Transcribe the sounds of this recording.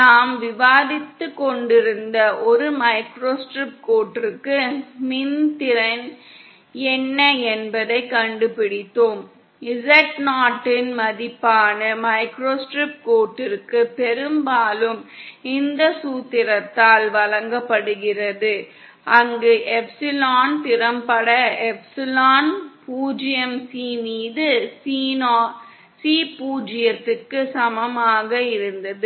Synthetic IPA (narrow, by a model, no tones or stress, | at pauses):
naːmʋɪʋaːðɪt̪ːɯkːɔɳɖɪɾɯnd̪ɐʔɔɾɯmɐɪkɾoːsʈɾɪp̚koːʈːɯkːɯmɪnt̪ɪɾɐn | ɛnːɐɛnbɐðɐɪkːɐɳɖɯpɪɽɪt̪ːoːm | ɪsɛʈnaːʈːɪnmɐðɪpːaːnɐmɐɪkɾoːsʈɾɪp̚ʈ̚koːʈːɪɾɯkːɯpːɛɾɯmbaːlɯmɪnd̪ɐsuːt̪ːɪɾɐt̪ːaːlʋɐlɐŋɡɐpːɐɽɯɣɪrɐðɯ | ʔɐŋɡeʔɛpsɪlaːnt̪ɪɾɐmpɐɽɐɛpsɪlaːnpuːd͡ʒɪjɐmsiːmiːðɯsiːnoː | siːpuːd͡ʒɪjɐt̪ːɯkːɯsɐmɐmaːɣɐɪɾɯnd̪ɐðɯ